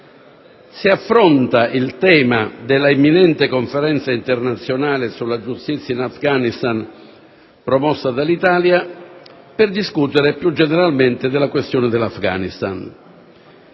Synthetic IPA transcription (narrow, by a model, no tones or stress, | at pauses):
siafːɾont̪aʔilt̪ɛːmad̪elːaemːinɛnt̪ekoɱfeɾɛnt̪saint̪ernat̪sːjonaːlɪsulːad͡ʒust̪it̪sːjainafɡanist̪an | pɾɔmɔsːad̪alit̪aːlja | pɪrd̪iskut̪eɾepjud͡ʒːeneɾalment̪ɪd̪elːakwest̪joːned̪elːafɡa̰nist̪a̰n